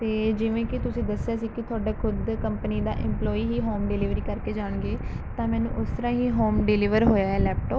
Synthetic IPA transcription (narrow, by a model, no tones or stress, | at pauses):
t̪eːd͡ʒɪʋẽːkɪt̪ʊsĩːd̪əsːeaːsiːkɪt̪ʰʊaːɖaːkʰʊd̪kəmpəniːd̪a̰ːʔɪ̰̃mplɔːiːɦiːɦoːmɖɪlɪːʋɾĩːkəɾkeːd͡ʒaːɳɡeː | t̪ãːmɛːnṵ̃ːʔʊst̪əɾãːɦiːɦoːmɖɪlɪʋəɾɦoːjaːɦɛːlɛːp̚ʈɔːp